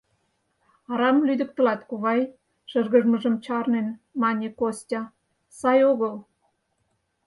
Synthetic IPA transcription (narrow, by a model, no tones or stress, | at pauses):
ɑɾɑmlyd̪ə̆k̚t̪ə̆lɑt̪kuβɑj | ʃə̆rɣə̆ʒmə̆ʒə̆mt͡ɕɑrnenmɑnʲekosʲtʲɑ | sɑjoɣəl